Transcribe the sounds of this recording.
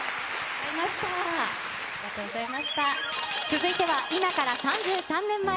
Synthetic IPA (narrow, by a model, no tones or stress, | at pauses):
zaimaɕi̥t̪a | ɡat̪ot̪aimaɕi̥t̪a | t͡sɨzɨit̪e̞βaʔimakaɾasãɲd͡ʑɨːsãnːẽ̞mːa